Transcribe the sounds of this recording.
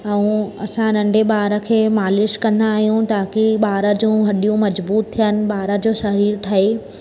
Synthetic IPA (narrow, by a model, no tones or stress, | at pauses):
ɛ̃ũɐsãnɐ̃ɳɖʱeɓaːɾə̆kʰeːmaːlɪʃkɐ̃nd̪aːɦijũt̪aːkiɓaːɾə̆d͡ʑũɦɐɗijũmɐd͡ʑbuːt̪t̪ʰːijənɪ̆ɓaːɾəd͡ʑoːsɐɾiːɾʈ̪ʰɐɦe